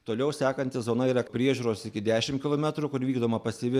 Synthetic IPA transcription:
t̪oːlʲɛʊsʲæːkɐnʲt̪ʲɪzoːnɐiːɾɐpʲɾʲiɛʒʲuːɾoːsɪkʲɪd̪ʲæːʃʲɪmtkʲɪlˠoːmʲɛt̪ɾʊkʊɾʋʲiːɡd̪oːmɐpɐsʲɪʋʲɪ

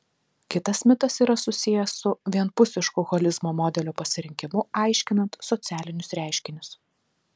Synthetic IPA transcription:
kʲɪt̪ɐsmʲɪt̪ɐsiːɾɐsʊsʲɪjɛsːʊʋʲiɛnpʊsʲɪʃkʊɣɔlʲɪzmoːmɔːd̪ʲɛlʲoːpɐsʲɪɾʲɪŋʲkʲɪmʊɑˑɪʃʲkʲɪnɐnt̪sɔt̪sʲæːlʲɪnʲʊsɾʲæˑɪʃʲkʲɪnʲʊs

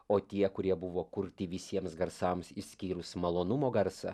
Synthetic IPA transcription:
oːt̪ʲiɛkʊɾʲiɛbʊʋoːkʊɾʲt̪ʲɪʋʲɪsʲiɛmsɡɐɾsɑmsɪsʲkʲiːɾʊsmɐlˠoːnʊmoːɡɐɾsɐ̰

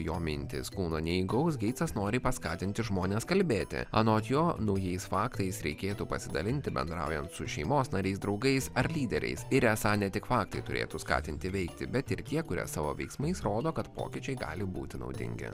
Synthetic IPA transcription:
joːmʲɪnʲt̪ʲɪ̰skuːnoːnʲɛiɡɐʊsɡʲɛɪt̪sɐsnoːɾʲiːpɐskɑːt̪ʲɪnʲt̪ʲɪʒmoːnʲeːskɐlʲbʲeːt̪ʲɪ̰ɑ̰ːnoːɐt̪joːnɒʊjɛɪsfɑːkt̪ɐɪsɾʲɛɪkʲeːt̪uːpɐsʲɪd̪ɐlʲɪnʲt̪ʲɪbʲɛ̰nd̪ɾɑ̰ʊjɛnt̪sʊʃʲɛɪmoːsnɐɾʲɛɪsd̪ɾɒʊɡɐɪsɐɾlʲiːd̪ʲɛɾʲɛ̰ɪsɪɾɛsɑːnʲɛt̪ʲɪkfɑːk̚t̪ɐɪt̪ʊɾʲḛːt̪uskɑ̰ːt̪ʲɪnʲt̪ʲɪʋʲɛɪkt̪ʲɪbʲɛt̪ɪɾt̪ʲiɛkʊɾʲḭsɑːʋo̰ːʋʲɛ̰ɪksmɐɪsɾoːd̪oːkɐt̪po̰ːkʲɪt͡ʃʲɛɪɡɑ̰ːlʲɪbṵːt̪ʲɪnɒ̰ʊd̪ʲɪ̰ŋʲɡʲɪ̰

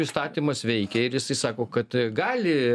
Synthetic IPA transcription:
ɪst̪ɑːt̪ʲiːmɐsʋʲɛɪkʲɛɪɾjɪsɐɪsɑːkoːkɐt̪ɡɑːlʲɪ

